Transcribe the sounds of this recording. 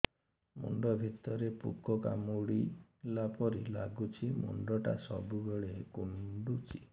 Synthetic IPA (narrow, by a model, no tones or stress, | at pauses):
mṵɳɖɔbʱit̪ɔɾepṵkɔka̰muɽilapɔɾilaɡut͡ʃʰimṵɳɖɔʈa̰sɔ̰bʱubeɭekumɳɖut͡ʃi̥